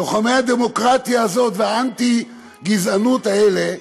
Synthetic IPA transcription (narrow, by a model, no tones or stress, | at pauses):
oχamehad̪emo̞kʁat̪ijaːzo̞t̪veaant̪i | ɡizanut̪aele̞